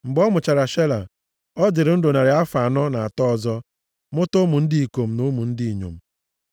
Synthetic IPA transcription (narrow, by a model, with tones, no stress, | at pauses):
ŋ͡m̩˨ɡ͡bɔ˦mʊ˨t͡ʃa˨ɾa˨ʃe˦la̰˨ | ɔ˦d͡ʒɪ˨ɾɪ˨˦n̩˦do˨na˨ɾɪ˨a˦fa˨nɔ˦na˨a˨tɔ˦ɔ˨zɔ˦ | mʊ˦tʊ˦mʊ˨n̩˦dɪ˦i˨ko˨m̩˨nʊ˦mu˨n̩˦dɪ˦i˨ɲo̰˨m̩˨